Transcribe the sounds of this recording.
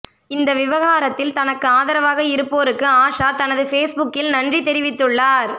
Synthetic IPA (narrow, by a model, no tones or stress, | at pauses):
ɪnd̪ɐʋɪʋɐɣaːɾɐt̪ːɪlt̪ɐnɐkːɯaːðɐɾɐʋaːɣɐɪɾɯpːoːɾɯkːɯaːʂaːt̪ɐnɐðɯfeːsbʊkːɪlnɐndrit̪ɛɾɪʋɪt̪ːɯɭːaːɾ